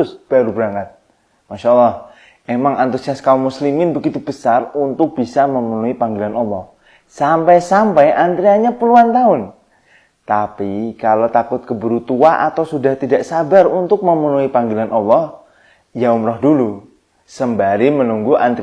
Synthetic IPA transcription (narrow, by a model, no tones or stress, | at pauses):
sb̥aɾubəɾaŋat̪̚ | maʃalːɔh | emaŋant̪usiaskaumːuslimɪnbəɡit̪ubəsarunt̪ʊk̚b̥isaməmənuipaŋɡilanɔlːɔh | sampajsampajʔant̪ɾiaɲapəluant̪aʊn | t̪apikalot̪akʊt̪̚kəbəɾut̪uaʔa̰t̪awsudaht̪idaʔsabarunt̪ʊk̚məmənuipaŋɡilanʔɑlːɔh | jaumrɔhdulu | səmbaɾimənuŋɡuʔant̪